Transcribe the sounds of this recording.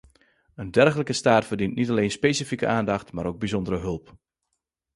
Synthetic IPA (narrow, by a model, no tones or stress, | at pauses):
əndɛrxələkəstaːtfərdintnitaleːnspeːsifikə̰ʔaːndɑxtmaːɾowɡ̚bizɔndəɾəɦɵlˠp